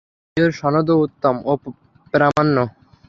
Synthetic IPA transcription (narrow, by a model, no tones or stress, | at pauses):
oɾʃɔnod̪out̪ːomo | pɾamanːo